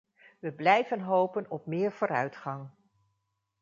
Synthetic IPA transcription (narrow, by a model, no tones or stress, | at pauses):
ʋəblɛjvənɦowpənɔp̚mɪːɹvʊːɾœ̰ɥtχɑŋ